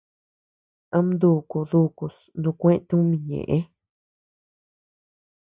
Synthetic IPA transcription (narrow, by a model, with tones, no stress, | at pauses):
ã˦m˦d̪u˧˨ku˨ðu˦˧ku˨s | nũ˧kʷẽ˦ʔẽ˧t̪ũ˦mĩ˧ɲḛ̃˨ʔẽ˦